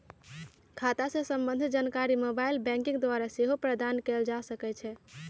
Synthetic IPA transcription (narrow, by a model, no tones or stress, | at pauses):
kʰat̪asẽsəmbənd̪ʱd͡ʒankaɾimobailbɛ̃ŋkiŋɡd̪waɾaseɦopɾəd̪ankɛld͡ʒasəkɛt͡ʃʰɛ